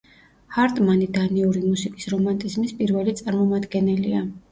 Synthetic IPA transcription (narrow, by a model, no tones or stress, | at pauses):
haɾt̪ʼmanid̪aniuɾimusikʼisɾɔmant̪ʼizmispʼiɾvɛlit̪sʼaɾmɔmad̪ɡɛnɛlia